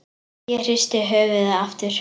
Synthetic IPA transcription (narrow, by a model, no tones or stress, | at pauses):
jɛr̥ɪst̪ɪɦœːvɪðaaft̪ɪɾ̥